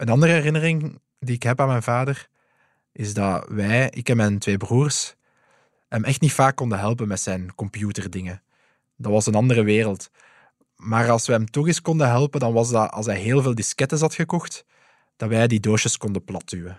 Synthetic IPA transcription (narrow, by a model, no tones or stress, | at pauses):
ənɑndərəɛrɪnərɪŋ | diɪkɦɛpaːnmɛjnvaːdər | ɪzdɑʋɛjɪ̰kɛmɛntʋeːbruːrs | ɦɛmʔɛxtnitfaːkːɔndəɦɛlˠp̬ənmɛtsɛjnkɔmpjuːtərdɪŋə | dɑtʋɑsənɑndərəʋeːrəlˠt | maːrɑlˠsʋɛɦɛmtɔɣɪskɔndəɦɛlˠpəndɑnʋɑzdɑɑ̰lˠs̬ɦɛjɦeːlˠveːlˠdɪskɛtəzɑtxəkɔxt | d̥ɑtʋɛjdidoːʃəskɔndəplɑtyːə